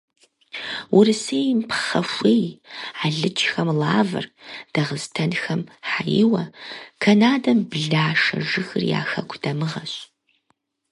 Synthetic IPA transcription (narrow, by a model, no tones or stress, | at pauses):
wʊrɨseːjmpʰχɐfʷeːjaːɮɨt͡ʃʰʼxɐmlaːvɨ̰rd̥ɐʁəztʰɐnxɐmħajɪ̰wɐkʰɐnaːdɐmbɮaːʂɐ̰ʒɨxɨrja̰ːxɐkʷʰd̥ɐmɨʁɐɕʼ